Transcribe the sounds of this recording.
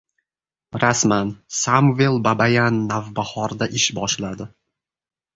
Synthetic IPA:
ɾasmansamvelˠbabajanːavbahɒɾd̪aʔɪʃbɒʃlad̪ɪ

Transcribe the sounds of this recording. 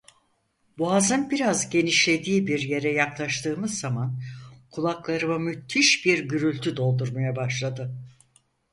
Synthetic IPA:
buazɯnbiɾazɟe̞niʃlʲe̞d̪iːbiɾje̞ɾɛjaklˠaʃt̪ʰɯːmɯzːamankʰulˠaklˠaɾɯmamyt̪ʰːiʃbiɾɟyɾylʲt̪ʰyd̪o̞lˠd̪uɾmajabaʃlˠad̪ɯ

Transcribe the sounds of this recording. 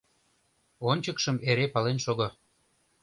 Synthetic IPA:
onʲt͡ɕəkʃə̆meɾepɑlenʃoɣɤ̆

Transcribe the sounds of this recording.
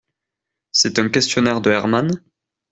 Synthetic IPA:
sɛt̪ɛ̃kʲɛst̪jɔnɛʁd̪əɛʁman

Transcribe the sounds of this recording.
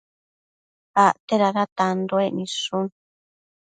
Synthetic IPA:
aʔt̪eɾaɾat̪and̪oeʔnĩʂũ

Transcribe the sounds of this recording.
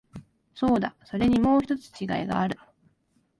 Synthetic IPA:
so̞ːd̪aso̞ɾe̞ɲ̟imo̞ːçi̥t̪o̞t͡sɨ̥t͡ɕiɡa̰iɡa̰ːɾɯ̟

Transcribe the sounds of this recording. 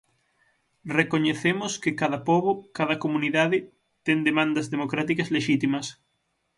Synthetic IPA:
rekoɲeθemʊskekaðɐpoβokaðɐkomũniðaðɪ | t̪end̪emãnd̪ɐzðemokɾat̪ikɐzleʃit̪imɐs

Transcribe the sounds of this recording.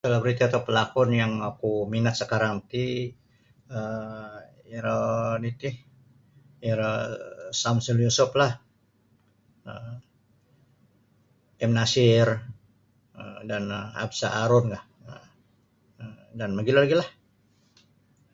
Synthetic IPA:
t̪əlabɾit̪iat̪aupəlakɔnjaŋakuminat̪̚səkaɾaŋt̪i | ə | iɾənit̪ih | iɾəsamsəljusʊplah | ə | ɛmnasɪr | ə̰dana̰bsaʔaɾʊnkaʔ | ə | ə | danməɡilalaɡilah

